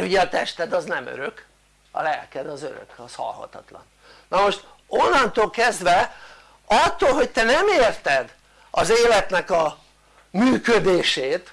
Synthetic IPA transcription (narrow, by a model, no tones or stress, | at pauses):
ɾuɟɛɒt̪ɛʃt̪ɛd̪ɒznɛmø̰ɾøk | ɒ̰lɛ̰lkɛd̪ɒzøɾø̰kɒshɒ̰lhɒ̰t̪ɒt̪lɒ̰n | nɒmo̞ʃt̪ | onːɒnt̪oːlkɛzd̪ʋɛ | ɒt̪ːolɦo̞c̚t̪ɛnɛmeːrt̪ɛd̪ | ɒzeːlɛt̪nɛkɒ | myːkød̪eːʃeːt̪